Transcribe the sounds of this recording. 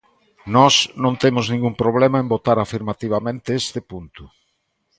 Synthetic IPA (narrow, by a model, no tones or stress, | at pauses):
nɔsnõnt̪emʊznĩŋɡumpɾoβ̞lemaembot̪aɾafiɾmat̪iβ̞amẽnt̪ɪest̪ɪpunt̪ʊ